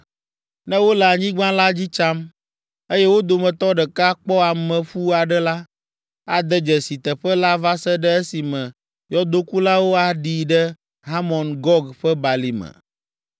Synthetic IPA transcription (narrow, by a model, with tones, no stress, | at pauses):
nɛ̃˦wo˦lɛ˨a˨ɲĩ˦ɡ͡bã˦la˦d͡ʑi˦t͡ʃa˦m | e˦jɛ˦wo˦d̪o˨mɛ̃˨t̪ɔ˦ɖɛ˨ka˦k͡pɔ˦a˨mɛ̃˨ɸu˦a˨ɖɛ˦la˦ | a˨d̪ə˦d͡ʒɛ˨si˨t̪ə˨ɸə˦la˦va˦sə˦ɖɛ˦e˦si˨mɛ̃˨ | jɔ˦d̪o˦ku˦la˦wo˦a˨ɖi˨ɖɛ˦ | ɦa˦mɔ̃˨nɡɔ˦ɡɸɛ˦ba˨li˨mə̰̃˨